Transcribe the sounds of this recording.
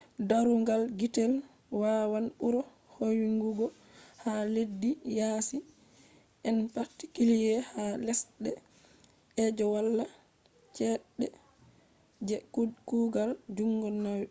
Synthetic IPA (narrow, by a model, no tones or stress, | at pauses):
daɾuŋɡalɡitɛl | wawanɓuɾɔ | howiŋɡuɡɔ | haledːijaːsi | ʔɛnpaɾti̥kilijɛhalɛsɗɛ | ʔɛd͡ʒɔwalːa | t͡ʃɛɗɛ | d͡ʒɛkkuːɡald͡ʒuŋɡɔnːawi